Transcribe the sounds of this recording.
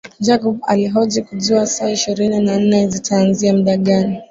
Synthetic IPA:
d͡ʒakɔɓa̰liɦɔd͡ʒikuʄiwasaːiʃiɾininan̩nɛzitʰaːnziam̩ɗaɠani

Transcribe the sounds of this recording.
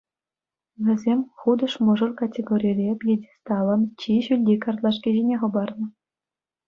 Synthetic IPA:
ʋʲɘ̆zʲemʲχud̪ɤ̆ʂmɤ̆ʐɤ̆lkatʲeɡoɾʲijrʲepʲjedʲest̪ɑlɤ̆mt͡ɕiɕylʲdʲikɑrt̪lˠɑʂ̬kʲiʑenʲeχɤ̆bɑrnɤ̆

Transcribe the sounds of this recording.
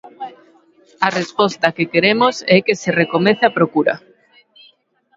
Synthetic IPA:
ɐrespɔst̪ɐkekeɾemosɛkeserekomeθɪapɾokuɾɐ̰

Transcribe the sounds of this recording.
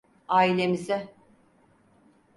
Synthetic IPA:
aːilʲe̞mizɪ

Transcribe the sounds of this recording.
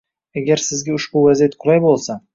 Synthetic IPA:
aɡʲaɾsɪzɡʲaʊʃbʊvazijat̪qʰʊlˠajbolˠsa

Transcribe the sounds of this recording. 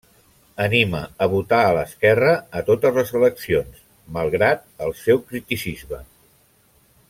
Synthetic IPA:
ənimə̰əβut̪aələskɛrəːt̪ot̪əzləzələksions | məlˠɣɾat̪̚əlˠsɛwkɾit̪isizmə

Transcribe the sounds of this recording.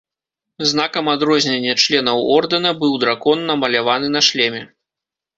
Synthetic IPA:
znakɐmad̪ɾɔzʲnʲenʲːɐt͡ʂlʲɛnɐwɔrd̪ɨnɐbɨwd̪ɾakɔnːɐmɐlʲavan̪ɨnɐʂlʲɛmʲɛ

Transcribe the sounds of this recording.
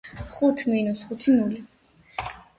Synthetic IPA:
χut̪ʰminusχut̪ʰinuli

